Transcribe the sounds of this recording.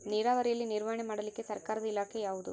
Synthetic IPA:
niːɾaːʋɐɾɛjɐlːiniɾʋɐjɐɳemaːɽɐlikːe̞sɐɾkaːɾɐd̪ɐilaːkʰejaːʋud̪ṵ

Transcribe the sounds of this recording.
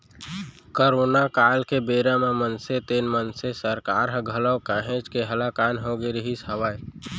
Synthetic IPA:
koɾoːnakaːlkebeːɾamẽmənset̪eːnmənsesəɾkaːɾɦəɡʱələwkaːɦẽt͡ʃkeɦəlakaːnɦoːɡeɾəɦisəwaːj

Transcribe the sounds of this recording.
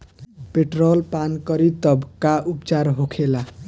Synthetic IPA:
peʈrolpankʌɾit̪ʌbkaʔupt͡saɾɦokʰela

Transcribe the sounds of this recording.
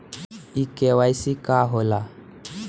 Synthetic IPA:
ikʼɛwaisikʼaɦɔla

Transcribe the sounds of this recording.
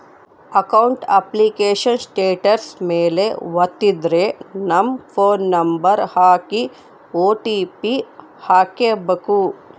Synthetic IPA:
ɐkɐwɳʈɐ̰plikeːʃɐnsʈeːʈɐɾsmeːleʋɐt̪ːid̪ɾenɐmpʰoːnːɐmbɐɾhaːki | oːʈipi | haːkeːbɐku

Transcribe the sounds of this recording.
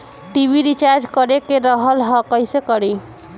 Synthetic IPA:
ʈibiɾit͡ʃaɾd͡ʒkəɾekeɾəɦəlɦɔkəjsekəɾi

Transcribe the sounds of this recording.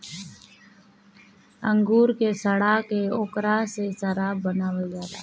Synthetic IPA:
ə̃ŋɡuːɾkesəɽaːkeoːkɾasesəɾaːbənaːʋed͡ʒaːɾa

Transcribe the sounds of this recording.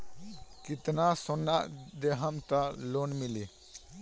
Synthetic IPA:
kɪt̪nasonːaʔd̪eɦəmt̪əloːnmili

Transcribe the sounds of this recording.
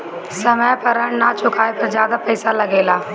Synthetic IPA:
sɐməpɐɾəɽ̃nat͡ʃʰʊkʰaːepɐɾzjaːd̪apɐɪsalɐɡeːlaː

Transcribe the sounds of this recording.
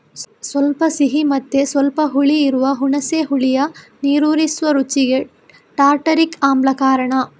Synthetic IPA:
sʋɐlpɐsiɦimɐt̪ːesʋɐlpɐɦuɭiːɾuʋɐɦuɳɐseːɦuɭijɐniːɾuːɾisʋɐɾut͡ʃiɡe̞ | ʈaːɾʈɐɾikaːmblɐkaːɾɐɳɐ

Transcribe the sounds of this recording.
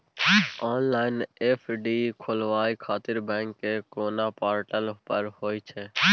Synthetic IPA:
ɔːnlaːɪneːpʰɖiːkʰoːlʋaːikʰaːt̪ɪɾbɛ̃ːŋkːekoːnaːpaːɾʈəlpəɾɦoːiːt͡ʃʰeː

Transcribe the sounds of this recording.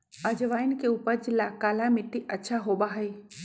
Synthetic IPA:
ɐd͡ʑʋaːɪnɪ̆kʰeʊpəɾd͡ʑlakaːlamɪʈiʔɐtːʃʰaɦoːɓaɦeː

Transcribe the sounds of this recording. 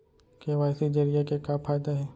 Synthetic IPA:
keʋaːɪsid͡ʒɐɾijakekaːpʰaːjd̪aɦɛː

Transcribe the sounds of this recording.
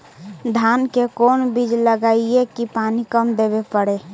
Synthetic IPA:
d̪ʱankekoːnbid͡ʒləɡaiekipanikəmd̪ebepəɽe

